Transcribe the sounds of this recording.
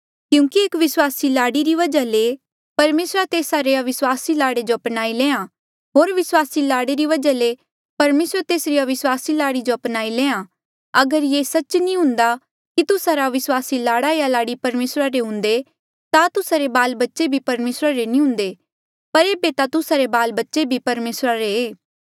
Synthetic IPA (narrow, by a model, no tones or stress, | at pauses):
kjũːkieːkʋɪswaːsilaːɽiɾiʋɐd͡ʒale | pɐɾmeːsɾat̪eːsaɾeɐʋɪswaːsilaːɽed͡ʒoɐpnaːilẽːã | ɦoːɾʋɪswaːsilaːɽeɾiʋɐd͡ʒale | pɐɾmeːsɾət̪eːsɾijaʋɪswaːsilaːɽid͡ʒoɐpnaːilẽːã | ɐɡəɾjesɐtːt͡ʃnĩɦʊ̃nd̪a | kit̪ʊsaɾaʋɪswaːsilaːɽaijalaːɽipɐɾmeːsɾaɾeɦʊ̃nd̪e | t̪at̪ʊsaɾebaːlbɐtːʃebʱipɐɾmeːsɾaɾenĩɦʊ̃nd̪e | pɐɾeːbet̪at̪ʊsaɾebaːlbɐtːʃebʱipɐɾmeːsɾaɾeeː